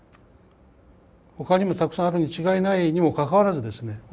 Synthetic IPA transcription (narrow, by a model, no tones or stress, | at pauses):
ho̞kaɲʲimo̞t̪akɯ̥sãaɾɯ̟ɲ̟it͡ɕiɡainaiɲ̟imo̞kakaβaɾazɨd̪e̞sɨne̞